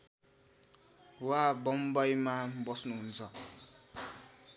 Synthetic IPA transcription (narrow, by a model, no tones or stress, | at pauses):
wabʌmbʌjmabʌsnuɦunt͡sʰʌ